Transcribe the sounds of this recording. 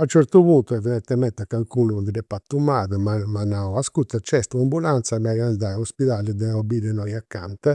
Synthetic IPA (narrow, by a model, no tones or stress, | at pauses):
aut͡ʃɛɾt̪uβunt̪uɛvɛɾɛt̪ːɛmɛnt̪akːaŋkulund̪iɾɛpːat̪ːumaːðəmamanaaskut̪ːat͡ʃɛst̪uambulant̪samaiand̪auspiðaləd̪ɛɔbid̪ɛnɔjakːa̰nt̪ə